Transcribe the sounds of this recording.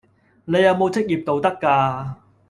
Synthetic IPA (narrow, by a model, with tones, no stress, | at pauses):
ne˨˧jɐ˨˧wmo˨˧wt͡sɪ˥k̚jiː˨˩p̚t̪o˨˧wt̪ɐ˥kːaː˧